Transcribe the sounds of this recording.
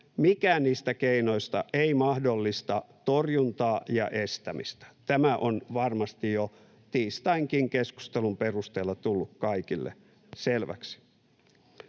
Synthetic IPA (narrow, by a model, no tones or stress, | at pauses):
mikæːnniːst̪ækeino̞ist̪ɑʔeimɑhdolːist̪ɑt̪orjunt̪ɑːjɑ̰ʔest̪æmist̪æ̥t̪æmæʔonʋɑrmɑst̪ijo | t̪iːst̪ɑiŋkiŋkesku̥st̪elumperust̪eːlːɑt̪ulːukkɑikilːḛ | selʋæ̰ksi̥